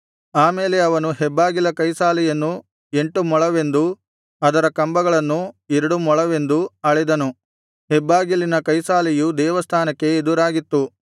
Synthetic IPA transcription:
aːmeːleɐʋɐnuɦɛbːaːɡilɐkɐjsaːlijɐnːu | e̞ɳʈumɔɭɐʋe̞nd̪u | ɐd̪ɐɾɐkɐmbɐɡɐɭɐnːueɾɐɽumɔɭɐʋe̞nd̪uɐɭɛd̪ɐnu | hɛbːaːɡilinɐkɐjsaːlijud̪ɛːʋɐst̪ʰaːnɐkːe̞ːd̪uɾaːɡit̪ːu

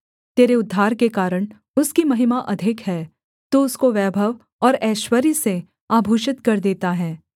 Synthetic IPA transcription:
t̪eːɾeʊd̪ʱːaːɾkekaːɾəɽ̃ | ʊskimɐɦɪmaʔɐd̪ʱɪkɦɛː | t̪oʊskoʋɛːbʱəʋ | ɔːɾɛːʃwəɾjse | aːbʱuːʃɪt̪kɐɾd̪eːt̪aɦɛː

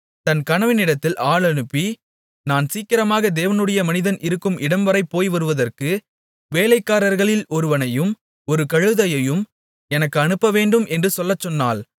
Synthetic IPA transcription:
t̪ɐnkɐɳɐʋɪnɪɽɐt̪ːɪlʔaːɭɐnɯpːi | naːnsiːkːɪɾɐmaːɣɐd̪eːʋɐnɯɽɐjɐmɐnɪðɐnɪɾɯkːɯmʔɪɽɐmʋɐɾɐɪpːoːjʋɐɾɯʋɐðɐrkɯ | ʋeːlɐɪkːaːɾɐɾɣɐɭɪlɔɾɯʋɐnɐjɯm | ɔɾɯkɐɻɯðɐjɐjɯm | ɛnɐkːɯɐɳɯpːɐʋeːɳɖɯmʔɛndrɯsɔlːɐt͡ʃːɔnːa̰ːl

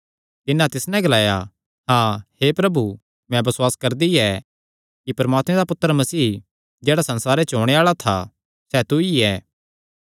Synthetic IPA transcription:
t̪ɪnːãt̪ɪsnɛ̃ɡɐlaːja | ɦãːhepɾɐbu | mɛ̃bɐswaːskɐɾd̪iɛ | kipɐɾmaːt̪mẽd̪apʊt̪ːəɾəmɐsiː | d͡ʒeːɽasɐ̃nsaːɾet͡ʃɦoɽ̃eaːɭat̪ʰa̰ | sɛt̪uiɛː

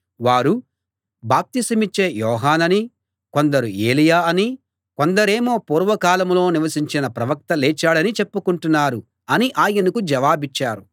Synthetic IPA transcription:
ʋaːɾu | baːp̚t̪isɐmit͡ʃːe̞ːjɔːɦaːnɐni | ko̞nd̪ɐɾueːlijaːɐni | ko̞nd̪ɐɾeːmo̞ːpuːɾʋɐkaːlɐmlo̞ːniʋɐsiɲt͡ʃinɐpɾɐʋɐk̚t̪ɐleːt͡ʃːaːɽɐnit͡ʃe̞pːukuɳʈunːaːɾu | ɐniʔaːjɐnukud͡ʒɐʋaːbit͡ʃːaːɾu

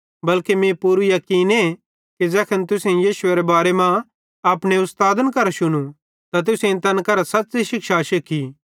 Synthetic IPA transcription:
bɐlkemẽpuɾujɐkiːne | kid͡ʒɛːkʰənt̪ʊsẽjiːʃʊeɾebaːɾemã | ɐːpɽ̃eʊst̪aːd̪ənkɐɾaʃʊñũ | t̪at̪̬ʊsẽt̪ɐnkɐɾasɐt̪ːsiʃɪkʃaʃɪkʰi

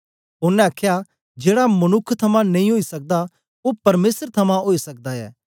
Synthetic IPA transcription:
ʊnːɛ̃ɐːkʰja | d͡ʒeːɽamɐnʊkʰːt̪ʰɐmãnɐ̃ĩɦoːisɐk̚d̪a | opɐɾmeːsəɾt̪ʰɐmãɦoːisɐk̚d̪aɛ̰ː

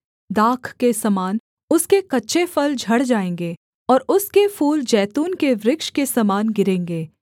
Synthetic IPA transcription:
d̪aːkʰkesɐmaːn | ʊskekɐtːʃʰefɐld͡ʒʱɐɽd͡ʒaːẽːŋ̆ɡeː | ɔːɾʊskefuːld͡ʒɛːt̪uːnkeʋɾɪkʃkesɐmaːnɡɪɾẽːŋɡeː

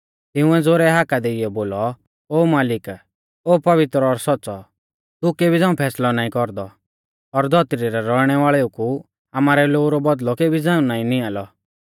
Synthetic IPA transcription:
t̪ɪʊ̃ɛd͡zoːɾɛɦaːkad̪eiɛboːlɔ | oːmaːlɪk | oːpɐʋɪt̪ɾɔɾsɔtːsɔ | t̪ukeːbʱid͡zãːũpʰɛːslɔnaːĩkɔɾd̪ɔ | ɔɾd̪ʱɔt̪ɾiɾɛɾɔɽ̃ɛʋaːɭɛuku | amaːɾɛloːuɾɔbɔd̪lɔkeːbʱid͡zãːũnaːĩniaːlɔ

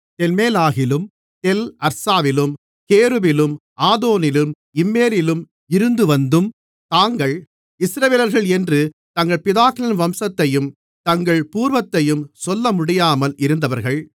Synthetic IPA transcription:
t̪ɛlmeːlaːɣɪlɯm | t̪ɛlɐɾsaːʋɪlɯm | keːɾɯbɪlɯmʔaːðoːnɪlɯm | ɪmːeːɾɪlɯm | ɪɾɯnd̪ɯʋɐnd̪ɯm | t̪aːŋɡɐɭ | ɪsɾɐʋeːlɐɾɣɐɭɛndrɯ | t̪ɐŋɡɐɭpɪðaːkɪlɐnʋɐmsɐt̪ːɐjɯm | t̪ɐŋɡɐɭpuːɾʋɐt̪ːɐjɯmsɔlːɐmʊɽɪjaːmɐlɪɾɯnd̪ɐʋɐɾɣɐɭ

